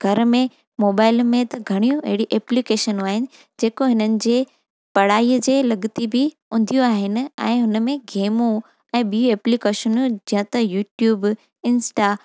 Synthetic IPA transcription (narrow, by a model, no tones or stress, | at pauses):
ɡʱɐɾmẽ | moːbaːɪlmẽt̪ɐɡʱɐɽ̃ijũɐɦɪɽiʔeːplikeːʃənũaːɦɪnɪ̆ | d͡ʑeːkoɦɪnənɪ̆d͡ʑeː | pɐɽ̤aːiːəd͡ʑeːlɐɡt̪ibʱɪ | ʊ̃nd̪ʱijũaːɦɪnɪ̆ɛ̰̃ːɦʊnəmẽɡeːmũ | ɛ̃ːɓijũeːplikeːʃənud͡ʑɐ̃ɦə̃t̪ɐjuːʈjuːb | ɪnsʈa